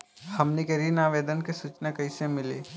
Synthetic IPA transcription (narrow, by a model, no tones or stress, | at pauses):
hɐmnekɐɾinaːʋeːd̪ənkesut͡ʃnakɐɪsẽmɪleː